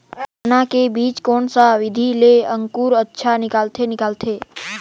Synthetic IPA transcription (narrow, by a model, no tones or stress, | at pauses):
ənãkebiːt͡ʃkoɳsaʋɪd̪ʱileəŋkuɾətːʃʰanɪkalt̪ʰenɪkalt̪ʰe